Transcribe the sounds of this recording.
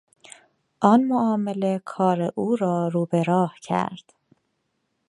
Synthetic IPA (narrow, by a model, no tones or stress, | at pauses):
ʔɒːnmoʔɒːmele̞kʰɒːɾeʔuːɾɒːɾuːbeɾɒːhcʰæ̰ɾd̪̥